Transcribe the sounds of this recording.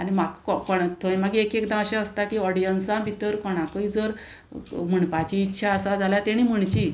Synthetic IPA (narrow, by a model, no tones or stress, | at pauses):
animakkɔkɔɳt̪ʰoẽmaɡekekd̪ãəɕẽəst̪akiːɔɽijənsãbʱit̪əɾkɔɽ̃akəid͡zəɾ | m̤əɳpat͡ɕiːtːɕʰaəsad͡zʱaljat̪eɽ̃im̤əɳt͡ɕi